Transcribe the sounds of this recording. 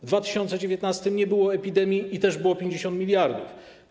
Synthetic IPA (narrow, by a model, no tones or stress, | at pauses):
vd̪vat̪ɘ̥ɕɔnt̪sɛd͡ʑevʲjet̪nast̪ɘmɲɛbɘwɔɛpʲid̪ɛmʲjiit̪ɛʐbɘwɔpʲjeɲd͡ʑeɕɔnt̪mʲilʲjaɾd̪uf